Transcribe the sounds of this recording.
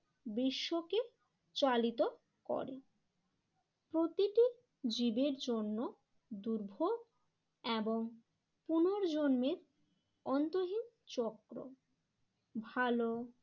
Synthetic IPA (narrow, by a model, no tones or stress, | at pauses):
biʃːoke | t͡ɕalit̪o | kɔ̰ɾe | pɾot̪iʈi | d͡ʑibeɾd͡ʑonːo | d̪uɾbʱo | eboŋ | punoɾd͡ʑonmeɾ | ɔnt̪oɦim | t͡ɕɔkɾo̰ | bʱalo